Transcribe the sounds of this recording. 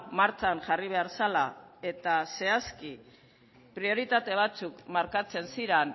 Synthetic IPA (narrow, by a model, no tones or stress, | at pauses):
maɾt͡sanʝariβ̞e̞aɾsalae̞t̪ase̞aski | pɾio̞ɾit̪at̪e̞β̞at͡sukmaɾkat͡se̞nsiɾen